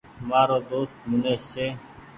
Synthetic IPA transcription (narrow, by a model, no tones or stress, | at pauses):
maːɾoːd̪oːst̪mʊneːʃseː